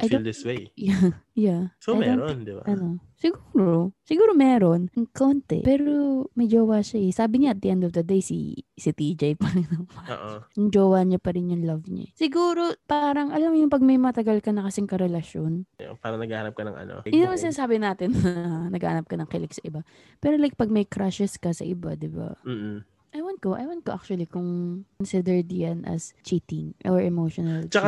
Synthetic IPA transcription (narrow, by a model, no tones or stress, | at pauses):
ʔɐjd̪old̪ɪswejjajasojd̪onond̪ɪbaɐno̞sɪɡuːɾosɪɡuːɾomɛːɾo̞nŋkont̪ɛ̰pɛːɾomɐd͡ʒoːwaːʃɐɛsaːbɪɲaʔɐt̪̚d̪iʔɛnd̪ovd̪ɐd̪ejsḭsit̪id͡ʒɛjpɐlɐŋnɐɐo̰ʔʊnd͡ʒoːwaːɲɐpɐɾɪnjʊŋlɐvɲa̰sɪɡuːɾo̞paːɾɐŋʔɐlɐmjʊŋpɐɡ̚mɐjmɐt̪ɐɡɐlkɐnɐkɐsɪŋkɐɾɛlɐʃjonjo̰pa̰ːɾɐnɐɡaːhanɐp̚kɐnɐ̰ŋʔɐ̰no̰jɪnmɐŋsɪnasaːbɪnaːt̪ɪnɐɐnɐɡa̰ːhanɐp̚kɐnɐŋkɛlɪk̚sɐʔɪba | pɛːɾolajk̚pɐɡ̚mɐjkɾaʃɛskɐsɐ̰ʔɪba̰d̪ɪba̰m̩ː | ʔɐjwant̪̚koʔɐ̰jwɐn̚koʔak̚t͡ʃuɐlikʊŋkɔnsɪd̪ɛɹd̪janʔɐ̰st͡ʃiːt̪ɪŋʔoɹʔɛmowʃonɐlt͡ʃɐka